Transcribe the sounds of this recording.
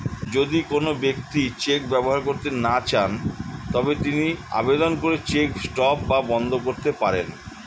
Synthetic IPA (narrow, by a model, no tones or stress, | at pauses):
d͡ʑod̪ikonobek̚t̪it͡ɕek̚bɛboɦaɾkoɾt̪enat͡ɕʰant̪ɔbet̪inia̰bed̪onkoɾet͡ɕeksʈɔp̚babɔnd̪ʱokoɾt̪epaɾen